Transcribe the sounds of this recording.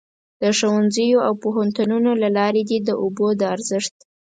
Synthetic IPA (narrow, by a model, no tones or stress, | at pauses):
d̪̥əʃowanzəjoawpoɦant̪ununolalɑɾed̪ed̪əʔobod̪əaɾzɪʂt̪